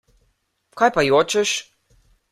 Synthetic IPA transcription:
kajpajoːt͡ʃɛʃ

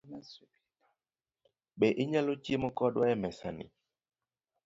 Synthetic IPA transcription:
ɓɛʔiɲɛlot͡ʃiemokɔɗwaɛmɛsa̰nḭ

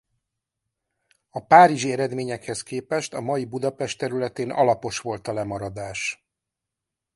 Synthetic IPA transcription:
ɒpaːɾiʒiɛɾɛd̪meːɲɛkhɛskeːpɛʃt̪ɒmɒjibud̪ɒpɛʃt̪ɛɾylɛt̪eːnʔɒ̰lɒpo̞ʃʋo̞lt̪ɒlɛmɒɾɒd̪aːʃ

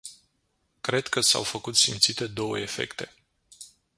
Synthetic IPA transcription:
kɾe̞d̪kəsa̰wfəkut̪simt̪sit̪e̞d̪o̞wə̰e̞fe̞̰kt̪e̞

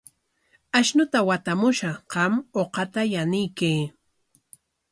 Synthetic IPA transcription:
aʃnʊt̪awat̪amʊʃɑɢɑmoqɑt̪ajanɪjkeː

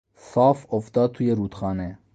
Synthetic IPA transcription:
sɑːfɔfd̪ɑːt̪ʰujeɾuːt̪χɑːnɛ

